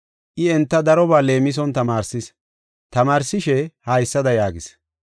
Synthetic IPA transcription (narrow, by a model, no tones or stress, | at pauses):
ʔɪɛnt̪ːɐd̪ɐɾɔbaːle̞ːmɪs̬ɔnt̪ɐmaːɾsɪs | t̪ɐmaːɾsɪʃɛhɐjsːɐd̪ɐjaːɡɪs